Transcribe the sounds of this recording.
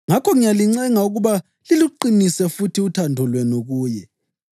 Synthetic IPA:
ŋakʰɔŋijaliŋ͡ǀɛŋauɣuβa | liluǃinisɛfutʰiutʰandʱɔlwɛnoɣuːjɛ

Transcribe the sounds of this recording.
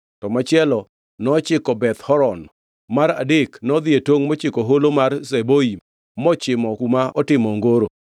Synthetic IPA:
tɔmat͡ʃɪɛlɔ | nɔt͡ʃɪkɔbɛt̪hɔɾɔn | maɾa̰dɪknɔd̪ɪetwoŋmɔt͡ʃɪkoɦolomarseboi | mɔt͡ʃɪmɔkumaɔtɪmɔŋɡoɾo

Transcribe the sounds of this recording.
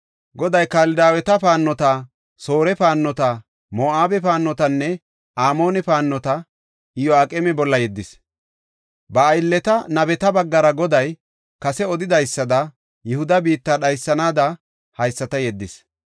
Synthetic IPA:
ɡɔd̪ɐjkaːlɪd̪aːwɛt̪ɐpaːnːɔt̪ɐ | so̞ːɾɛpaːnːɔt̪ɐ | moːaːbɛpaːnːɔt̪ɐnːɛ | aːmo̞ːnɛpaːnːɔt̪ɐ | ɪjɔaːkʼɛmɛbɔlːɐjɛd̪ːɪs | bɐːjɪlːɛt̪ɐnɐbɛt̪ɐbɐɡːɐɾɐɡɔd̪ɐj | kɐsɛɔd̪ɪd̪ɐjsːɐd̪ɐ | jɪhʊd̪ɐbiːt̪ːɐɗɐjsːɐnaːd̪ɐ | hɐjsːɐt̪ɐjɛd̪ːɪs

